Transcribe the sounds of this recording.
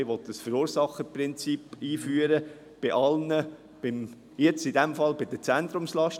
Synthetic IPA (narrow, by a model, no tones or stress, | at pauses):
ɪʋɔt̪d̥əsfəɾuːɾsɑχəprɪnt͡sipiːfyːəɾə | b̥ɪʔɑlnə | b̥ɪm | jɛt͡stɪd̥ɛmfɑlbɪd̥̪ət͡sænt̪ɾʊmslɑʃt